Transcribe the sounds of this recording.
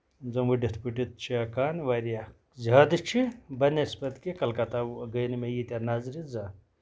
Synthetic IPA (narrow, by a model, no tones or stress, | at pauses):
zɐmuɖesʰpʲuʈit̪̚t͡ʃʰiakaːnʋaɾja | zaːd̪ɨt͡ʃʰibɐnespɐt̪kekɐlkɐt̪aɡəjnmejit̪ʲanazɾiza